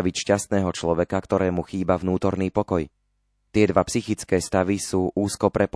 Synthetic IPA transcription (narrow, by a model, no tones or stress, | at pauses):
aʋicʃcast̪nɛːɦɔt͡ʃlɔʋɛkakt̪ɔɾɛːmuxiːbavnuːt̪ɔɾniːpɔkɔj | t̪ɪɛd̪ʋapsixit͡skɛːst̪aʋisuːʔuːskɔpɾɛp